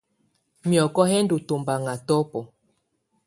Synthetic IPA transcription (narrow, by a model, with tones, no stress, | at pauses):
mjɔ˨kɔ˦ɦɛ˦n˦du˨to˨mba˨ŋa˨tɔ˦pɔ˨